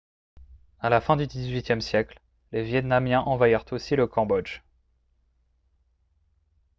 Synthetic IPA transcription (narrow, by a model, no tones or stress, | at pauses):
alafɛ̃d̪yd̪izɥit̪jɛmsjɛkl | levjɛt̪namjɛ̃ʔɑ̃vwaiʁt̪osiləkɑ̃bɔd͡ʒ